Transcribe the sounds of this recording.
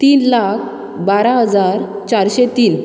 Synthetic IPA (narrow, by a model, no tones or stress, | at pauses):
t̪iːnlakʰ | baɾaɦəd͡zaɾ | t͡ɕaɾɕet̪iːn